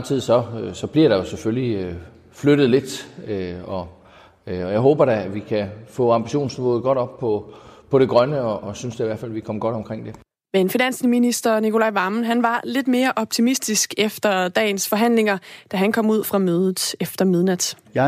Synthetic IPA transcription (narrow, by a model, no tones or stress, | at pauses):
t͡sʰið̰ˠsɒ̽sɒ̽b̥liɐ̰ɾ̥ɑ̈jo̝seføli | fløɾ̥əð̞̩ˠle̝d̥øɒ̽ | ɒjɑ̈ɪɦɔːb̥ɐɾæʋikʰæfɔ̰ːɑ̈mb̥iɕo̝̰ːnsmɔ̰ːð̩ˠɡ̥ɒ̽ɾ̥ɒ̽b̥̚pʰɒ̽pʰɒ̽ɾ̥e̝ɡ̥ʁɶnəɒʔːsynsd̥eiʋæɐ̰fæl̰ʋikʰɒ̽mɡ̥ɒ̽ɾ̥ɒ̽mkʰʁeŋ̰d̥e̝ | menfinæn̰sminisd̥ɐnikʰo̝lɑ̈ɪʋɑ̈ːmnɦænʋɑ̈le̝d̥me̝ːɐʔɒ̽b̥̚t͡sʰimisd̥isɡ̥efd̥ɐd̥ɛ̰ːɪn̩sfɒ̽ɦæn̰le̝ŋɐd̥æɦænkʰɒ̽m̰uð̞̰ˠfʁɑ̈møːð̞ˠð̩ˠefd̥ɐmið̞ˠnæd̥j